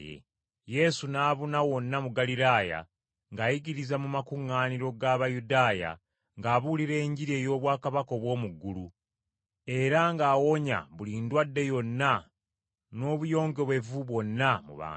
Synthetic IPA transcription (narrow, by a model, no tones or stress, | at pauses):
jḛ | je̞sunaːβunawo̞nːamuɡaliɾaːja̰ | ŋɡaːjiɡiɾizamumakuŋːaːniɾo̞ɡaβajudaːja̰ | ŋɡaːβuliɾe̞ːɲɟiɾeːjo̞ːβwaːkaβako̞βwo̞ːmuɡːulu | e̞ɾaŋɡaːwo̞ɲa̰βuliːndwadːe̞jo̞nːa | no̞ːβujo̞ːŋɡe̞βwe̞vuβwo̞nːamṵβa̰ː